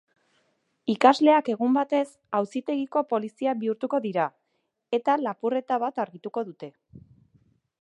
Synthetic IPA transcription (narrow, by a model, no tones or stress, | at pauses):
ikazle̞ake̞ɣ̞umbat̪e̞s | awsit̪e̞ɣiko̞po̞lisiabiuɾt̪uko̞ðiɾa | e̞t̪alapure̞t̪aβat̪aɾɣit̪uko̞ðut̪e̞